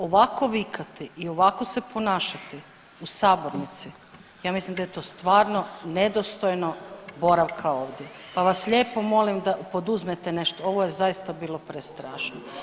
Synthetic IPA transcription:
o̞ʋako̞ʋikʰat̪iʔio̞ʋako̞sepo̞naːʃat̪i | usaːboɾnit̪si | jaːmislimd̪ajet̪o̞ːst̪ʋaːɾno̞ned̪ost̪ojnobo̞ɾaʋkʰao̞ːʋd̪ʲje | paʋasʎʲeːpo̞mo̞limd̪apo̞d̪uzmet̪ene̞ʃt̪ooʋojezajist̪abiːlˠo̞pɾest̪ɾaːʃno

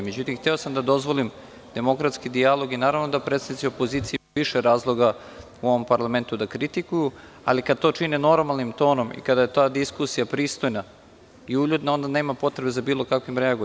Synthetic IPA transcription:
me̞d͡ʑut̪imxt̪eo̞samd̪ad̪o̞zʋo̞lim | d̪̥e̞mo̞kɾat̪skid̪ialˠo̞ɡinaːɾavno̞d̪apɾet̪sadnit̪siopoziːt̪siiiʃeɾaːzlˠo̞ɡa | uo̞ʋo̞mpaɾlˠame̞nt̪ud̪akɾit̪ikuju | a̰likad̪̚t̪o̞ːt͡ʂineno̞ɾmalˠnimt̪o̞ːno̞mḭkad̪aje̞t̪aːd̪iskusijapɾiːst̪o̞jna | iuʎud̪nao̞nd̪aneːmapo̞t̪ɾe̞be̞zabiːlˠo̞kakʋimɾeaɡ

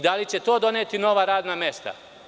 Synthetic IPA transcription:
d̪alit͡ɕe̞t̪o̞ːd̪o̞neːt̪ino̞ʋaɾaːd̪namje̞st̪a̰

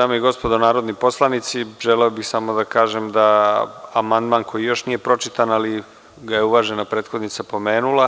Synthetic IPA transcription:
aːmoiɡo̞spod̪onaːɾod̪nipo̞slˠanit̪siʒeleobixsamo̞d̪akaːʒemd̪aamand̪maːnkʰo̞jijo̞ʃnije̞pɾo̞t͡ʃit̪anali | ɡaje̞uʋaːʒenapɾeːt̪xo̞d̪nit̪sapo̞me̞ːnulˠa

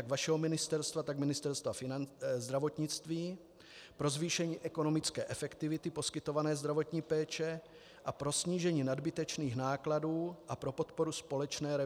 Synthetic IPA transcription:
aɡvaʃɛɦomɪnɪst̪ɛɾst̪vat̪aɡmɪnɪst̪ɛɾst̪vafɪnazd̪ɾavo̞t̪ɲɪt͡st̪viː | pɾo̞zviːʃɛɲiːʔɛko̞no̞mɪt͡skɛ̰ːʔɛfɛkt̪ɪvɪt̪ɪpo̞skɪt̪o̞vanɛːzd̪ɾavo̞t̪ɲiːpɛːt͡ʃɛ | ʔapɾo̞sɲiːʒɛɲiːnadbɪt̪ɛt͡ʃniːxnaːkladuːʔapɾo̞po̞t̪po̞ɾuspo̞lɛt͡ʃnɛːɾɛ

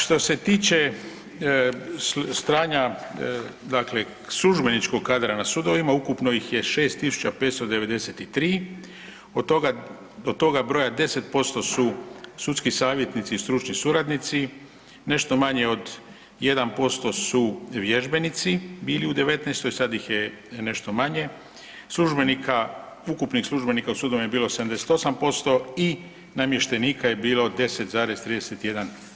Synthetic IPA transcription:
ʃt̪o̞se̞t̪iːt͡ʃe̞ | st̪ɾaːɲa | d̪akle̞ | sluʒbe̞nit͡ʃko̞ɡ̚kːaːd̪ɾanasud̪o̞ʋimaukupnojixje̞ʃe̞ːst̪ːisu̥t͡ʃape̞ːt̪st̪od̪e̞ʋe̞d̪e̞set̪it̪ɾiː | ot̪oɡa | d̪ot̪ːo̞ɡabɾo̞jad̪e̞se̞t̪̚po̞st̪o̞susut̪skisaːʋje̞t̪nit̪siːst̪ɾut͡ʃɲisuɾad̪nit̪si | ne̞ʃt̪o̞maɲeo̞d̪ | je̞d̪anpo̞st̪o̞suʋje̞ʒbe̞nit̪sibiːliud̪e̞ʋe̞t̪nɛjst̪o̞jsad̪jixje | ne̞ʃt̪o̞maɲe̞ | slˠuʒbe̞nikʰa | ukupnixslˠuʒbe̞nikausuːd̪omjebiːlo̞sed̪amd̪e̞set̪o̞sampo̞st̪o̞i | namje̞ʃt̪e̞niːkaje̞biːlo̞d̪e̞set̪zaːɾe̞zst̪ɾiːd̪eset̪je̞d̪an

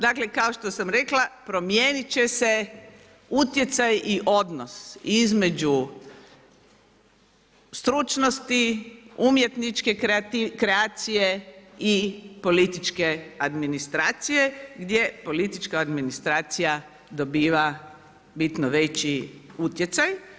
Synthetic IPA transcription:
d̪aklekaoʃt̪osamɾe̞klapɾo̞mjeːnit͡ɕe̞se̞ | ut̪je̞t̪sajiʔo̞d̪nosizme̞d͡ʒu | st̪ɾut͡ʃnost̪iumje̞t̪nit͡ʃke̞t̪ikɾeat̪sijeipo̞lit̪it͡ʃke̞ad̪minist̪ɾaːt̪sije̞ɡd̪jepo̞lit̪it͡ʃkaːd̪minist̪ɾaːt̪sija | d̪o̞biːʋa | bit̪noʋe̞t͡ɕiut̪je̞t̪saj

